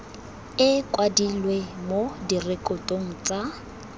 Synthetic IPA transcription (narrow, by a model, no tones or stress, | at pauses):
ɪkʼwadilwemodirekʼɔtʼoŋ̩t͡sʼa